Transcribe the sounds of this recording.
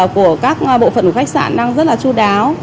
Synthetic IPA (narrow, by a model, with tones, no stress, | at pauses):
ku˧˩əkaː˦˥k̚ɓo̰˧˨fə̰˧˩nku˧˩xa˦˥k̚sa̰ː˧˨nɗaː˧ŋzə˦˥t̚laː˨˩t͡ɕu˧ɗaː˨˦w